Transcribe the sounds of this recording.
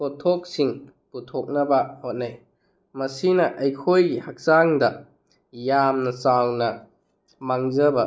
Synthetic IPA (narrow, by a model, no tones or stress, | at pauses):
potʰːok̚siŋ | putʰok̚nɐbɐhot̚naj | mɐsinɐʔɐjkʰojɡihak̚saŋdɐ | jamnɐsawnɐ | maŋzɐbɐ